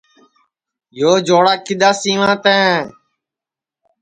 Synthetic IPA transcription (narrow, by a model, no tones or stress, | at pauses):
joːd͡ʒoːɽaːkɪɗ̪aːsĩːʋãːt̪ɛ̃ː